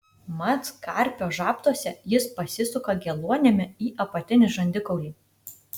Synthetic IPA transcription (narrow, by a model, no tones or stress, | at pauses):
mɐt̪skɐɾʲpʲoːʒɑːpt̪uɔsʲɛjɪspɐsʲɪsʊkɐɡʲɛlˠuɔnʲɛmʲɪiːʔɐpɐt̪ʲɪnʲɪʒɐnʲd̪ʲɪkɔʊlʲiː